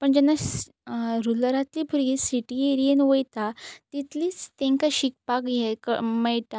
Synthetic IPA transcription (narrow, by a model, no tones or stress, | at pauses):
pəɳd͡ʑɛnːa | ɾuləɾat̪lipʰuɾɡisiʈieɾiənʋəjt̪at̪it̪liːt͡st̪ẽŋkaɕik̚pakjekəməjʈ̪a